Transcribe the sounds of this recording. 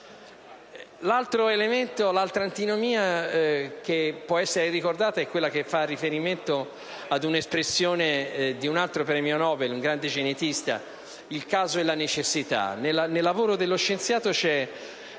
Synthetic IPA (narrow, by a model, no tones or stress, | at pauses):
lalt̪ɾoelement̪olalt̪ɾant̪inomiːa | kepːwɔɛsːeɾerikord̪aːt̪aɛkːwelːak̟efarːifeɾiment̪o | ad̪unespɾesːjoːned̪iunalt̪ɾopɾɛmionɔːbeluŋɡɾand̪ed͡ʒenet̪ist̪a̰ | ilkaːzoɛlːanet͡ʃesːit̪a̰nelːanelːavoːɾod̪elːoʃːent̪sjaːt̪ot͡ʃɛ